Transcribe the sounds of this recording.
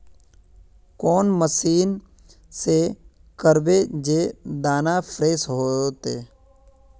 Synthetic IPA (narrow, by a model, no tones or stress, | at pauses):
kɔːnməsiːn | se | kəɾbed͡ʒeːd̪aːnapʰɾeːsɦoːt̪eː